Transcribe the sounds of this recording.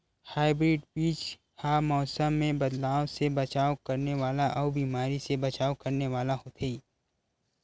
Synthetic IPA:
haːɪbɾɪːɖpiːt͡ʃ | haːmɔːsəmːẽbɐd̪laːwsebɐt͡ʃaːwkɐɾneʋaːlaʔɔːbiːmaːɾisebɐt͡ʃaːwkɐɾneʋaːlaɦot̪ʰeiː

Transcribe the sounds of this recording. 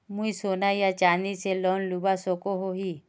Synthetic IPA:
mũisonajjat͡ʃaniselɔnlubasokoɦoɦi

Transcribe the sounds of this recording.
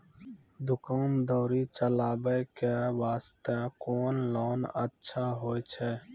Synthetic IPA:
d̪ʊkaːmd̪ɔːɾiːt͡ʃəlaːbeːkeʋaːst̪ekoːnloːnə̰tːʃʰaːɦoːet͡ʃʰɛː

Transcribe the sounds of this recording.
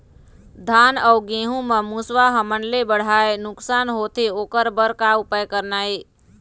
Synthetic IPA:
d̪ʱaːnɔːɡẽːɦũməmuswaɦəmənlebəɽ̤aːenʊksaːnɦoːt̪ʰeoːkəɾbəɾkaʊpəjkəɾnaːeː

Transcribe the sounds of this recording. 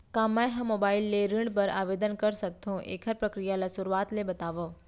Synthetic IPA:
kãmajɦãmobaːɪlːeɾɪɳɖpəɾa̰ːʋed̪ənkəɾsək̚t̪ʰõʔḛkʰəɾpɾəkɾijalasʊɾuaːt̪lebət̪aːʋo

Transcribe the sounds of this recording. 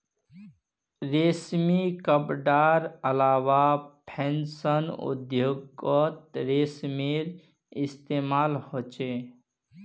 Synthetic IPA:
ɾesmikəpɖaːɾəlaːwapʰẽnsənṵd̪joɡət̪̚ɾesmeɾ | ɪst̪eːmaːlhot͡ʃe

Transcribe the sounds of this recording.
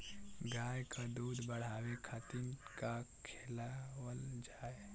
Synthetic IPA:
ɡaːjkad̪uːd̪bəɽ̤aːwekʰat̪ɪnkakʰeːlawəld͡ʒaːe

